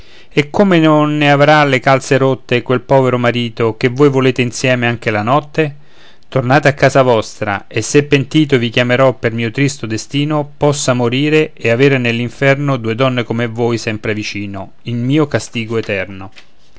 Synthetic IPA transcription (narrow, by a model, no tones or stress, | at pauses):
ekːomenonːeavɾalekalt̪seɾot̪ːekwelpɔːveɾomaɾiːt̪ok̟evːojvoleːt̪einsjɛːmeaŋk̟elanɔt̪ːe | t̪ornaːt̪eakːaːzavɔst̪ɾa̰esːepːent̪iːt̪̬ovik̟jameɾɔpːermiːot̪ɾist̪od̪est̪iːnopɔsːamoɾiːɾeeaveːɾenelːiɱfɛrnod̪uːed̪ɔnːekomevoːjsɛmpɾevit͡ʃiːno | ilmiːokast̪iːɡoet̪ɛrno